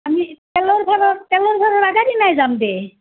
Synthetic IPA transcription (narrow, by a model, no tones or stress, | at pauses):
amitɛlɔɾbʰʱaɾɔtɛlɔɾbʰʱaɾɔɾaɡaɾinajzamd̪e